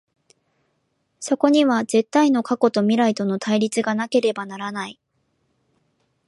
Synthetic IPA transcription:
so̞ko̞ɲ̟iβaze̞t̪ːaino̞kako̞t̪o̞mʲiɾait̪o̞no̞t̪ʰaiɾʲit͡sɨɡanake̞ɾe̞banaɾanai

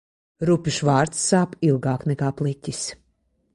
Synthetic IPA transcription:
ɾupʲuʃvaːɾt̪sːaːpilˠɡaːknɛkaːplˠit̪ʲis

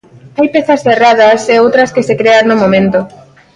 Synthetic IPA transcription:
ajpeθɐsθeraðɐseowt̪ɾɐskesekɾeanːomõmẽnt̪o

